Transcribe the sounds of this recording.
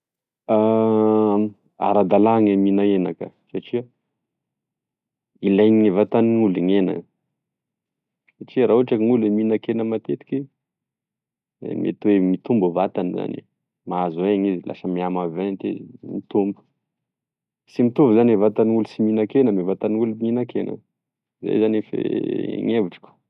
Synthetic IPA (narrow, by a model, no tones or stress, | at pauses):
a | a̰ɾad̪alaŋaminaenakə̰ | saʈ͡ʂia | ilajɲiŋivat̪anuliɲenə̰ | saʈ͡ʂiəɾaɦuaʈ͡ʂakiŋuleminakenəmat̪et̪i̥kʲi | mḛt̪wemit̪umbuvat̪aniza̰nḭ | maazeaŋizila̰səmiamavet̪eimit̪umbu̥ | simit̪uvzanvat̪aniulusiminakenəmevat̪aniuluminakenə̰ | zḛjzanefḛŋeviʈ͡ʂi̥kʲu̥